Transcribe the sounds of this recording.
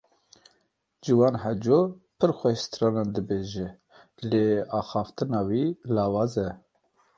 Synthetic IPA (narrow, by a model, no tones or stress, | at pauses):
d͡ʒɨwɑːnɦɛd͡ʒo | pʰɨɾxʷɛʃt̪ɾɑːnɑnd̪ɨbeːʒɛ | leːɑːxɑːft̪ɨnɑːwiːlɑːwɑːzɛ